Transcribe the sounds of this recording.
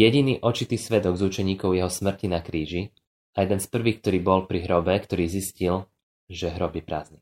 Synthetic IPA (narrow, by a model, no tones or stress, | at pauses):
jɛɟiniːʔɔt͡ʃit̪iːsʋɛd̪ɔɡzut͡ʃɛɲiːkɔʊjɛɦɔsmr̩cinakɾiːʒi | ajɛd̪ɛnspr̩ʋiːk̚t̪ɔɾiːbɔlpɾiɦɾɔbɛkt̪ɔɾiːziscil | ʒɛɦɾɔbipɾa̰ːzni